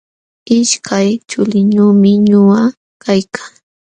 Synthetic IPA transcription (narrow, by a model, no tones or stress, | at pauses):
ɪʃkajt͡ʃʊlɪɲʊːmɪɲʊa | kajkʰḁŋ